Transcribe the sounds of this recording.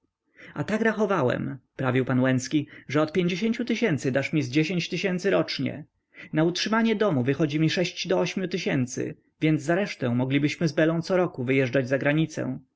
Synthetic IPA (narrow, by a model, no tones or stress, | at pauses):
at̪akɾaxɔvawɛ̰mpɾavʲiwpanwɛnskʲiʐɛɔt̪̚pʲjeɲd͡ʑeɕeɲt͡ɕut̪ɘɕɛnt̪sɘd̪aʂmʲizd͡ʑeɕeɲt͡ɕt̪ɘɕɛnt̪sɘɾɔt͡ʂɲɛ̰ | nautʂɘmaɲɛd̪ɔmuvɘxɔd͡ʑimʲiʂɛɕt͡ɕd̪ɔɔɕmʲjut̪ɘɕɛnt̪sɘ̰ | vʲjɛnd̪zːaɾɛʂt̪ɛ̃mɔɡlʲibɘɕmɘzbɛlɔ̃w̃t̪sɔɾɔkuvɘjɛʐd͡ʐad͡ʑzaɡɾaɲit̪sɛ̰̃